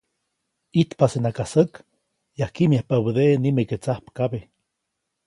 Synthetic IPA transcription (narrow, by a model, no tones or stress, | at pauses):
it̪pasenakasək | jahkimjahpaβuðenimeket͡sahpkaβe